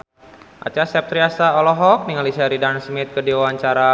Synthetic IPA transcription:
ʔa̰t͡ʃasɛp̚t̪ɾiasaɔlɔɦɔk̚niŋalisaɾidansmɪt̪̚kədiwawaɲt͡ʃaɾa

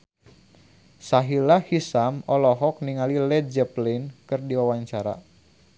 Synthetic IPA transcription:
saɦilahisamɔlɔɦɔk̚niŋalilɛd͡ʒəplɛnkɨrdiwawaɲt͡ʃaɾa̰

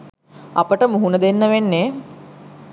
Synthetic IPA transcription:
apəʈəmuɦunəd̪enːəʋenːe

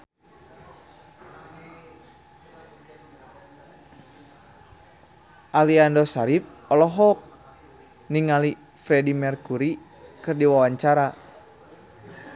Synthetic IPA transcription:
ʔaliandɔsaɾip̚ɔlɔɦɔk̚ | niŋali | fɾɛdimɛrkuɾi | kɨrdiwawaɲt͡ʃaɾa

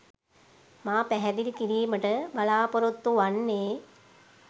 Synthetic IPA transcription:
maːpæɦɛd̪iɾikiɾiːməʈəbalaːpoɾut̪ːuʋanːeː

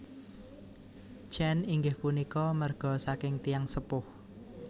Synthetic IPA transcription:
t͡ʃɛniŋɡɪhpunikɔmərɡ̥ɔ̤sakɪŋt̪ijaŋsəpʊh

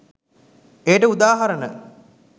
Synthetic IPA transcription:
ejʈəud̪aːɦaɾənə̰

